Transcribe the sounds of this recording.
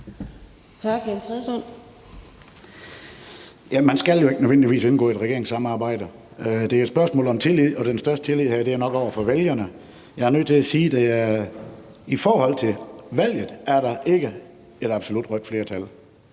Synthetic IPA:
hæɐkʰenfʰʁɛðˠsɔn̰ | jæmænsɡ̥æljoe̝ɡ̥ənøʋend̥iʋḭːsenɡ̥ɔ̰̽ːid̥ʁɛɡ̥e̝ɐeŋsːɑ̈mɑ̈ːb̥ɑ̈ɪ̰d̥ə | d̥e̝æɐedsb̥ɶɐsmɔ̰ːlɒ̽mt͡sʰe̝lið̰ˠɒ̽d̥ensd̥ɶɐsd̥ət͡sʰe̝lið̰ˠhæd̥e̝æɐnɒ̽ɡ̥ɒʊɐfɒ̽ʋeljɐnə | jɑ̈ɪæɐnøð̰ˠt͡sʰe̝læsiːd̥æ | ifɒːhɒ̽l̰t͡sʰe̝lʋæl̰jð̩ˠæɐɾɑ̈ʔe̝ɡ̥ə | e̝ɾ̥ɑ̈b̥so̝lud̥ʁœd̥fle̝ːɐt͡sʰæl

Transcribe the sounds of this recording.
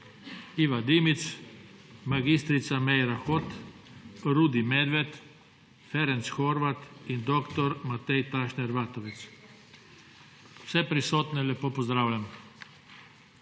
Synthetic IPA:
iʋad̪imit̪s | maɡist̪ɾit̪samɛjɾaxot̪ | ɾud̪imɛd̪ʋɛt̪ | fɛɾɛnt̪sxɔɾʋat̪ind̪okt̪ɔɾmat̪ɛjt̪aʃnɛɾʋaːt̪ɔʋɛt̪s | w̥sɛpɾisoːt̪nɛlʲɛpoːpɔzd̪ɾaːwlʲam

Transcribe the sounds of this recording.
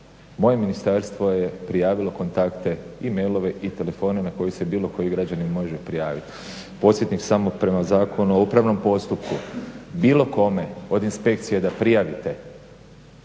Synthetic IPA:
mo̞je̞minist̪aɾst̪ʋo̞je̞pɾijaːʋilo̞ko̞nt̪akt̪e̞ime̞jlˠo̞ʋe̞ʔit̪e̞le̞fo̞ːne̞nako̞jise̞biːlˠo̞ko̞jiɡɾad͡ʑanimo̞ʒɛpɾijaːʋit̪ | po̞sje̞t̪niksamo̞pɾe̞mazaːko̞nuoupɾaʋno̞mpo̞st̪upkubiːlˠo̞ko̞me̞o̞d̪inspe̞kt̪sije̞d̪apɾijaʋit̪e̞

